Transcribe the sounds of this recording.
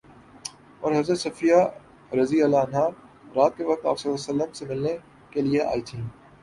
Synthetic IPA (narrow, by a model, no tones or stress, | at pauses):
ɔːɾɦɐzɾət̪sɐfija | ɾɐziɐlaɐnɦaːɾ | ɾaːt̪̚keʋɐk̚t̪a̰ːpsɐlːaːsɐlːəmsemɪlne | kelieʔa̰ːit̪ʰĩː